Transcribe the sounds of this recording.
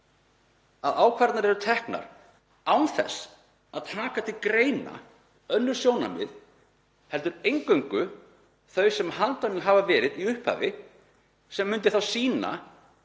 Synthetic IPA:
aðaːwkʰvaɾt̪naɾɛɾʏt̪ʰɛhkna̰ɾ̥ | aːwnθɛ̰s | aðt̪ʰaːkat̪ʰɪlkɾeːjna̰ | œnːʏɾ̥sjoːwna̰mɪ̰ð | hɛlt̪ʏɾejŋkœɥŋkʏ | θœɥsɛmhant̪anɪnɦavavɛːɾɪðiʏhpha̰ːvɪ | sɛmːʏnt̪ɪθawsiːna̰

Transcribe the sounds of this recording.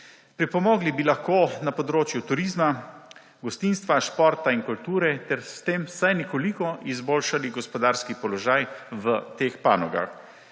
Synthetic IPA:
pɾipɔmɔːɡlibilaxkoːnapɔd̪ɾoːt͡ʃjut̪uɾiːzma | ɡɔst̪inst̪ʋaʃpɔɾt̪ainkult̪uːɾɛt̪ɛɾst̪eːmsajnɛkɔlikɔʔizboːlʃaliɡɔspɔd̪aːɾskipɔlɔʒajʋət̪eːxpa̰ːnɔɡa̰x

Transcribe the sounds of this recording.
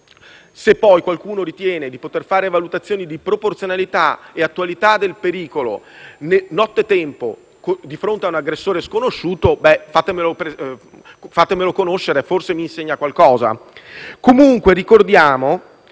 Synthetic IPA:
sepːɔjkwalkuːnoɾit̪jɛːned̪ipot̪erfaːɾevalut̪at̪sːjoːnid̪ipɾoport̪sjonalit̪aeat̪ːwalit̪ad̪elpeɾiːkolo̰nenɔt̪ːet̪ːɛmpo | kd̪ifɾont̪eaunaɡɾesːoːɾeskonoʃːuːt̪obɛfaːt̪emelopɾe | fat̪ːemelokonoʃːeɾeforsemiːnseɲːakwalkɔːza̰komuŋkwerikord̪jaːmo

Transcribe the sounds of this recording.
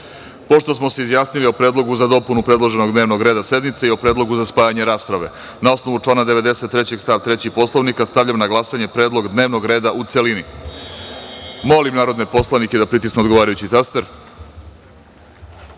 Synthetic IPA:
po̞ʂt̪o̞smo̞seizjaːsnilio̞pɾe̞ːd̪lˠo̞ɡuzad̪o̞punupɾe̞d̪lˠo̞ʒe̞noɡd̪neʋno̞ɡɾe̞ːd̪ase̞d̪mit̪seio̞pɾed̪lˠo̞ɡuzaspaːjaɲeɾaːspɾaʋe̞ | nao̞sno̞ʋut͡ʂlanad̪e̞ʋe̞d̪e̞set̪ːɾet͡ɕe̞ɡ̥st̪aːʋt̪ɾet͡ɕipo̞slˠoʋnikast̪aʋʎamnaɡlˠasaɲe̞pɾeːd̪lˠo̞ɡd̪ne̞ːʋno̞ɡɾe̞ːd̪aʔut̪se̞lini | mo̞limnaːɾod̪ne̞po̞slˠaniked̪apɾit̪isnuod̪ɡoaːɾajut͡ɕit̪ast̪eɾ

